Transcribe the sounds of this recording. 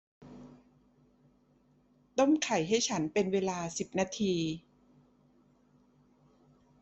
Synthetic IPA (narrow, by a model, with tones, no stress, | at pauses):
t̪o˥˩mkʰa˨˩jɦa˥˩jt͡ɕʰa˦˥npe˧nweː˧laː˧si˨˩p̚naː˧t̪ʰiː˧